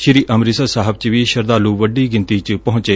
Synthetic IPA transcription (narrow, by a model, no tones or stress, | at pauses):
ʃɪɾiːʔəmɾisəsaːɦəb̚t͡ʃʋiːʃəɾd̪aːluːʋəɖiːɡɪ̃nt̪iːt͡ʃpɐɦʊ̃t͡ʃeː